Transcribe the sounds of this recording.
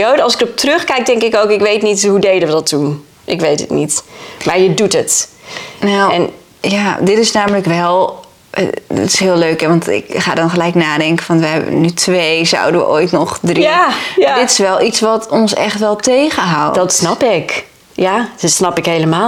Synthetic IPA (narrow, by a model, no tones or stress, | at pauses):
odəɑlˠsɪkɔp̚trøχkɛjk̚dɛŋkɪkowkɪkʋejtnithudejdəʋədɔtːun | ʔɪkʋejtə̰tnitmaːɹjədutət | nawɛn | jadɪtɪsnaːmələkʋɛl̰ˠ | d̰tɪ̥sɦɪːlˠløːkɦɛʋɑntɪ̰kχa̰ːdɑnχəlɛjknaːdɛŋkəfɑnʋəɦɛbə̰nytʰʋejza̰wdəʋə̰ʔoːjtnɔχdridɪtɪsʋɛlˠʔisʋɔtɔnsɛ̰χtʋɛlˠtejχəɦawdɔtsnɑpɪk | jadɪtsnɑpɪkɦejləmaːlˠ